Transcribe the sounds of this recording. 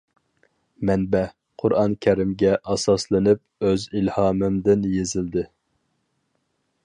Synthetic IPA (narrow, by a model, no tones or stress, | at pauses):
mɛnbɛ | qʰʊɾɑnkʲʰæɾɪmɡʲɛʔɑsɑslˠɨnɪp̚ | øzilhɑːmɨmd̪ɪnjezɪld̪ɪ